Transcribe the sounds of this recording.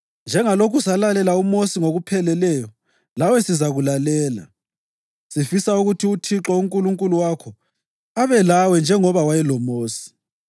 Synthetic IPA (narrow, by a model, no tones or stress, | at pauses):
nd͡ʒʱɛŋalokusalalɛlaumosiŋoɣupʰɛlɛlɛjɔ | lawɛsizaɣulalɛːla̰ | sifisauɣutʰiutʰiǁɔuŋkʼuluŋkʼuluwakʰɔ | aβɛlawɛnd͡ʒʱɛŋɔβawajɛlɔmoːsi̥